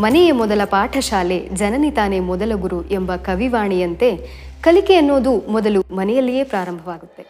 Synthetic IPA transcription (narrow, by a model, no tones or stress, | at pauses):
mɐnɛjemɔd̪ɐlɐpaːʈʰɐʃaːle̞d͡ʒɐnɐnit̪aːnemɔd̪ɐlɐɡuɾuʔembɐkɐʋiʋaːɳijɐnt̪e̞ | kɐlikeɐnːo̞ːd̪umɔd̪ɐlumɐnɛjɐlːije̞ːpɾaːɾɐmbʱɐʋaːɡut̪ːe̞